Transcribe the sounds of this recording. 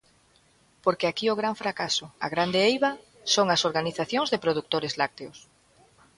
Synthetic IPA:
poɾkeakiʊɣ̞ɾaɱfɾakasʊa̰ɣɾand̪eejβa | soŋasoɾɣaniθaθjoŋzðepɾoðuk̚t̪oɾezlak̚t̪eos

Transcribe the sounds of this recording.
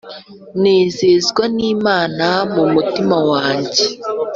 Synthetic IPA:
nezezɡwaniːmanamomutimɔwaːɲd͡ʒe

